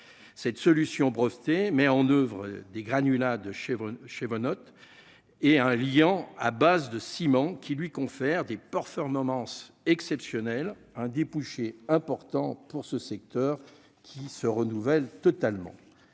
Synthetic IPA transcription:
sɛt̪sɔlysjɔ̃bʁɔft̪emɛɑ̃nøvʁəd̪eɡʁanylad̪əʃʃevɔnɔt̪ | ɛɛ̃ljɑ̃a̰bazd̪əsimɑ̃kʲilɥikɔ̃fɛʁd̪epɛʁfɔʁmɔmɑ̃s | ɛksɛpsjɔnɛl | ɛ̃d̪epuʃeɛ̃pɔʁt̪ɑ̃puʁsəsɛk̚t̪œːʁ | kʲʰisəʁənuvɛlt̪ɔt̪almɑ̰̃

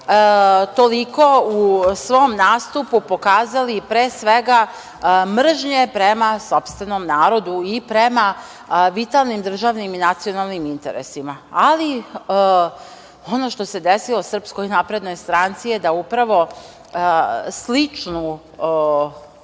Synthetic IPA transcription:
t̪o̞liko̞usʋo̞mnaːst̪upupo̞kaːzalipɾeːsʋeɡa | mr̩ʒɲepɾemaso̞pst̪ʋeno̞mnaːɾo̞d̪uipɾema | ʋit̪alˠnimd̪r̩ʒaːʋniminat̪sijo̞nalˠnimint̪ḛɾḛsimaali | o̞no̞ʃt̪o̞se̞d̪esilosr̩pskojinapɾed̪no̞jst̪ɾant̪sijed̪aupɾaʋo̞ | slit͡ʃnu

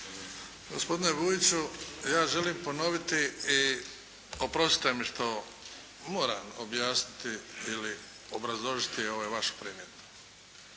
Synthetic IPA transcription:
ɡo̰spo̞d̪ine̞ʋujit͡ɕujaːʒe̞liːmpo̞no̞ʋit̪ii | opɾo̞st̪i̥t̪emiʃt̪o̞ | mo̞ːɾa̰mobjaːsnit̪iili | obɾazlˠo̞ʒit̪io̞ʋojʋaʃu̥pɾiːmjet̪o̥

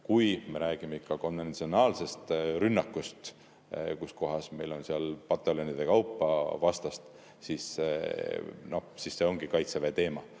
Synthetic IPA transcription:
kujme̞ɾæːɡ̥imeikːɑko̞nve̞nt̪sio̞nɑːlse̞st̪ɾynːɑkːust̪ | kusko̞ɦɑsme̞jlo̞nsiɑlpɑt̪ːˑelonid̪̥e̞kɑwpːɑvɑst̪ɑst̪ | sis | nosisːe̞oŋɡ̥ikɑjt̪sevet̪e̞ːmɑ

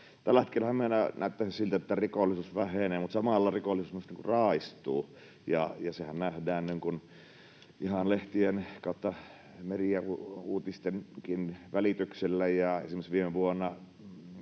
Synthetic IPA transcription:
t̪ælːæhet̪kelhæmmiænænæˑøt̪ːæˑsissilt̪æet̪ːærikolːisusʋæheneːmut̪sɑmɑlːɑrikolːˑisusmosniːŋkurɑist̪ˑuː | jɑ̰jɑsehænnæhdæːnniŋkun | ʔihɑnleht̪ienkɑˑot̪ːɑ | meriæuuːt̪ist̪enkinʋælit̪ykselːæjɑḛsimːesʋiːmeʋuonːɑ

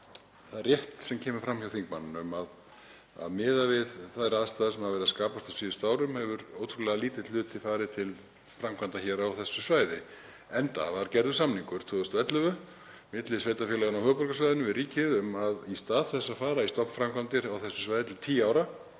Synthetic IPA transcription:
θaðɛɾrjɛht̪sɛmcʰɛːmʏfɾamhjawθiŋkmanːnʏmað | a̰ðmɪːðavɪðθaðɾaːðst̪aːðɪsɛmaðvɛɾɪðaskaːpast̪asiːʏst̪aːwɾʏmhɛvʏɾowt̪ʰɾulɛɣaliːt̪ɪt̪lʏːt̪ʰɪfaːɾɪt̪ʰɪl | fɾamkʰant̪açɛːɾaawθɛsːʏsvaːjðɪ | ɛnt̪a̰vaɾ̥cɛɾðʏ̥samniŋkʏɾ̥t̪ʰoːðʏst̪ɛt̪lœvʏ | mɪt̪lɪsveːjt̪afɛːlaɣʏnawhœːpɔɾkasvajðɪnʏvɪðriːcɪðʏmaðist̪aːðθɛsːafaːɾaist̪ɔpfɾamkʰant̪ɪɾawθɛsːʏ̥svajðɪt̪ʰɪlt̪ʰiːaːwɾa

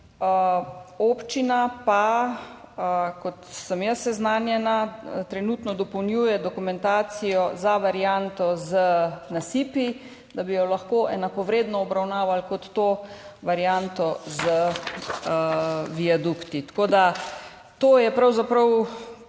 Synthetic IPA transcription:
əoːpt͡ʃinapa | kɔt̪səmjəsːɛznaːnjɛnat̪ɾɛnut̪nɔd̪ɔpɔwnjuːjɛd̪ɔkumɛnt̪aːsijɔzaʋaɾjant̪ɔzənasiːpi | d̪abijɔlaxkoːʔɛnakɔʋɾeːd̪nɔːbɾawnaːʋalkɔt̪ːoʋaɾjant̪ɔzə | ʋiad̪ukt̪it̪ḁkoːd̪a | t̪oːjɛpɾawzapɾɐw

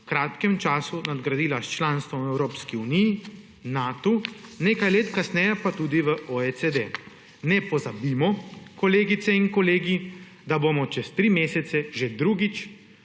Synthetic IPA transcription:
kɾaːt̪kɛmt͡ʃaːsunad̪ɡɾad̪iːlast͡ʃlaːnst̪ʋɔmɛwɾoːpskiuniji | naːt̪uneːkajleːt̪kasnɛjɛpat̪ud̪iʋəʔoesed̪e | nɛpɔzabimɔkɔleːɡit̪sɛinkɔleːɡi | d̪aboːmɔt͡ʃɛst̪ɾiːmeːsɛt̪sɛʒed̪ɾuɡit͡ʃ

